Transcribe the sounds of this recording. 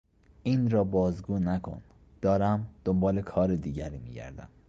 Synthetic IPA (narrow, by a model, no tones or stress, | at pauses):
ʔiːnɾɒːbɒːzɡuːnækʰo̞̰n | d̪̥ɒːɾæmd̪̥ombɒːlekʰɒːɾed̪iːɟæɾiːmiːɟæ̰ɾd̪æ̰m